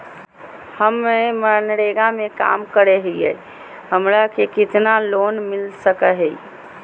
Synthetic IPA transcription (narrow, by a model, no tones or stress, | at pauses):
həmːemənɽeɡameka̰mkəɾeɦiɛ̰ | həmɾakekɪt̪naloːnmɪlsəkəɦɛi